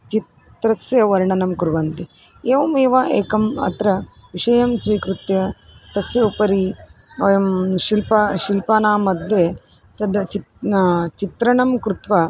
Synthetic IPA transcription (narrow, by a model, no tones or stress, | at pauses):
t͡ʃit̪ | ɾɐsjɐʋɐɾɳɐnɐmkuɾʋɐnt̪i | eːʋɐmeːʋaʔeːkɐmɐ̰t̪ɾɐ | ʋiʂɐjɐmsʋiːkɾut̪jɐt̪ɐsjɐupɐɾi | ɐjɐmʃilpɐʃilpaːnaːmɐd̪je | t̪ɐd̪ɐt͡ʃi | t͡ʃit̪ɾɐɳɐmkɾut̪ʋɐ